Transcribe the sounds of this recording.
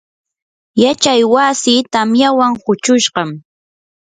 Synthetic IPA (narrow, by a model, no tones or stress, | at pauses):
jat͡ʃajwasit̪amjawaŋhʊt͡ʃʊʃɢɑm